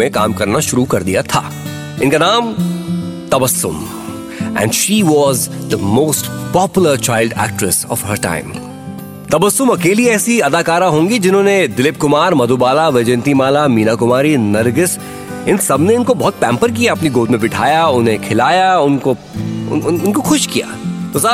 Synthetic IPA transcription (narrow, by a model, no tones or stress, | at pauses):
ẽka̰ːmkɐɾnaʃʊɾukɐɾd̪ijat̪ʰa̰ː | ɪnkanãːm | t̪ɐbɐsːʊ̰m | ɛ̰̃ːɳɖʃiːʋɔːzd̪əmoːsʈpɔːpjʊləɾt͡ʃaːɪlɖæ̰ːk̚ʈɾɪsɔ̰ːʋɦəɾʈã̰ːɪ̃m | t̪ɐbəsːʊmɐkeːliɛːsiɐd̪aːkaːɾãɦõːŋɡid͡ʒɪnɦõːned̪ɪlɪp̚kʊmaːɾmɐd̪oːbaːlaʋeːd͡ʒɛnt̪imaːlamiːnakʊmaːɾinɐɾɡɪs | ɪnsɐbneɪnkobɐɦt̪̚pɛ̃ːmpəɾk̬ijaɐpniɡoːd̪mẽbɪʈʰa̰ːjaʊnɦẽkʰɪlaːjaʊnko | ʊ̰ʊɪnkoxʊʃkija̰ːt̪oːsɐ